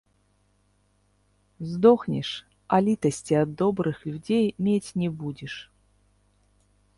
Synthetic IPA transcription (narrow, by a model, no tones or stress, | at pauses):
zd̪ɔxnʲɪ̰ʂ | ɐlʲit̪əsʲtʲiɐd̪ːɔbɾɨxlʲʊdʲejmʲetʲnʲɛbudʲɪʂ